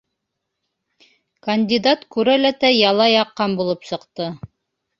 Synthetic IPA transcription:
kɐnʲdʲid̪at̪kʉɾælæt̪æjɑlˠɑjɑqːɑnbulˠɤpsɤ̆qt̪ɤ

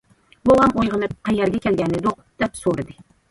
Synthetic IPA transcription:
bowamojʁɨnɪp̚qʰɑjaɾɡʲakʲʰelɡʲanːɪd̪oqd̪̥ɛpsoɾd̪ɪ

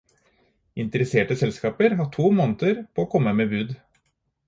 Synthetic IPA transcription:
ɪnt̪əɾɛseːʈəsɛlskɑːpəɾɦɑʈʰuːmɔnət̪əɾpʰoːoːkʰɔmːəmeːbʉːd̪

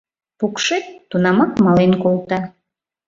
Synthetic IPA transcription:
pukʃett̪ːunɑmɑkmɑlenkolˠt̪ɑ

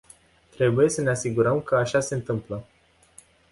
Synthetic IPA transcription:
t̪ɾe̞buje̞səne̞asiɡuɾəmkəaʃaseɨnt̪ɨmplə

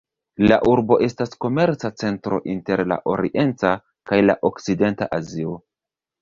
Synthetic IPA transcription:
la̰ʔuɾbo̞ʔe̞stasko̞me̞ɾt͡sat͡se̞ntɾo̞̰ʔinte̞ɾla̰ʔo̞ɾḭʔe̞nt͡sa | kajla̰ʔo̞kside̞ntaʔazio

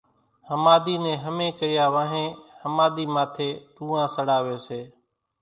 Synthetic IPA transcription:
həmaːd̪iːnẽːɦəmẽːkəɪjaːʋãːɦẽːhəmaːd̪iːmaːt̪ʰeːt̪ũːãːsəɽaːʋeːseː

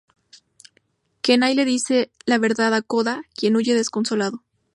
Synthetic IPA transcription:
kenajle̞ðise̞laβe̞ɾðaðako̞ðakje̞nuʝe̞ðe̞sko̞nso̞laðo̞

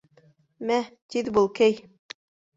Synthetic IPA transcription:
mæt̪iðbulˠkæj

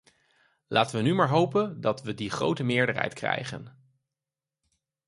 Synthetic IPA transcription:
laːtənʋənymaːɹɦowpəndɑtʋədiχro̰wtəmɪːɹdəɹɦɛ̰jtkrɛ̰jχə̰n

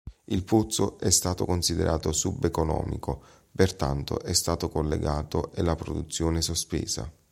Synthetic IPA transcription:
ilput̪sːoʔɛst̪aːt̪okonsid̪ḛɾʔaːt̪osubːekonɔ̰ːmḭko | pert̪ant̪o̰ʔɛst̪aːt̪okolːḛɡaːt̪oʔelapɾod̪ut̪sːjoːnesospḛːza̰

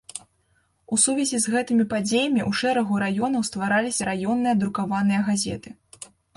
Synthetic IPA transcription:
usuvʲɛzʲizɣɛt̪ɨmʲipad͡zʲejɐmʲiʔuʂɛɾɐɣuɾajɔnɐwst̪vaɾalʲisʲɐɾajɔnːɨjɐd̪ɾukavanɨjɐɣazʲɛ̰t̪ɨ

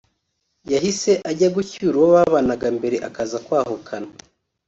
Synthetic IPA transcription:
jaɦise̞ʔaɟaɡucuɾuwoβaβanaɡambe̞ɾe̞ʔakazakwaːɦokʰana

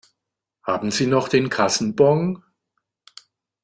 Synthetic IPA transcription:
haːbm̩ziːnɔχd̥eːnkʰasn̩bɔŋ

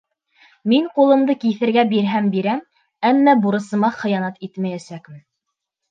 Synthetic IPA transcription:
miɴqulˠɤ̆md̪ɤkiθɘ̆ɾɡæbiɾɦæmbiɾæm | æmːæbuɾɤ̆sɤ̆mɑχɤ̆jɑnɑt̪it̪mæjæsækmɘn

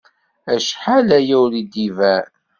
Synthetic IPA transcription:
æʃħalæjæwlid̪ivæ

